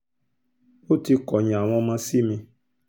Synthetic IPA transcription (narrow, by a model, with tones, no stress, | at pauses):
o˦ti˧kɔ˨ɲã˨w̃ɔ̃˧mã˧si˦mĩ˧